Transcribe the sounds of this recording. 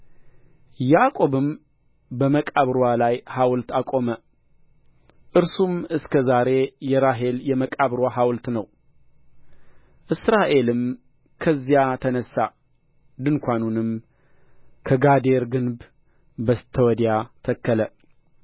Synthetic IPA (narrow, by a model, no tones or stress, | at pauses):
jakʼo̞βɨm | bəməkʼaβɾwalajhawlt̪akʼo̞mə | ʔɨɾsumɨskʰəzaɾe̞jɛɾaɦe̞ljɛməkʼaβɾwaɦawlt̪nəw | ʔɨsɾaʔe̞lɨm | kʰəzːjat̪ʰənəsːa | d̪ɨnkʷanunɨm | kʰəɡad̪e̞ɾɡɨnb | bət̪ʰːəwɔd̪jat̪ʰəkːələ